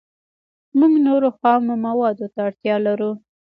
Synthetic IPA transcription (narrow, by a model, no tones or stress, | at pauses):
muŋɡnoɾoxɑwnomawɑd̪ot̪aːɽt̪jɑlaɾu